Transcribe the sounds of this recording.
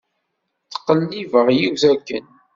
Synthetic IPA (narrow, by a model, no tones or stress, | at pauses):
θə̥qːəlːivəʁjiwθækːə̰n